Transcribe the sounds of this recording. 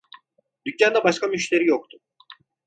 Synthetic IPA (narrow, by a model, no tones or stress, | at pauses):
d̪ycːand̪ɛbaʃkʰamyʃt̪ʰe̞ɾijok̚t̪ʰʊ̥